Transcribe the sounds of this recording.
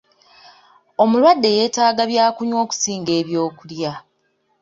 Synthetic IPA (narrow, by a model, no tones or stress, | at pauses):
o̞mulwadːe̞jeːtaːɡaβjaːkuɲwo̞ːku̥siːŋɡe̞ːβjo̞ːkulja